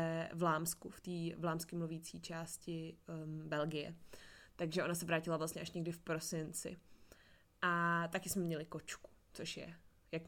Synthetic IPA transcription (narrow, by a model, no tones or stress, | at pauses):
vlaːmskuft̪iːvlaːmskɪmluviːt͡siːt͡ʃaːscɪbɛlɡɪjɛ̰t̪aɡʒɛʔo̞nasɛvɾaːcɪlavlast̪ɲɛʔaʃɲɛɡdɪfpɾo̞sɪnt͡sɪ̰ | ʔat̪akɪsmɛmɲɛlɪko̞t͡ʃku̥t͡soʃjɛ̰ | jak